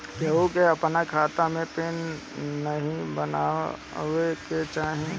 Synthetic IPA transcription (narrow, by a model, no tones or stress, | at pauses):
keokeɐpnakʰaːt̪amẽpeːnː | əɦĩbəna̰ːɦʊeket͡ʃaːɦẽ